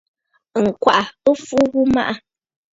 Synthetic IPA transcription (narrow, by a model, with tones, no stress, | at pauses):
ŋ̩˨kwa˨ʔa˨ə˦fu˦ɣu˦ma̰˦ʔa˦